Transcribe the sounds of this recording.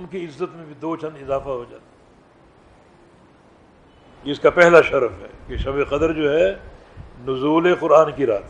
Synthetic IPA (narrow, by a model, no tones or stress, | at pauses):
ʊnkiɪzːət̪mẽbʱid̪oːt͡ʃɐ̃nd̪ɪzaːfaɦod͡ʒaːt̪a | ɪʊskapɛɦlaʃɐɾfɦɛ̰ːkeʃɐbeqɐd̪əɾd͡ʒoːɦɛ | nʊzuːleqʊɾaːnkiɾaːt̪ʰ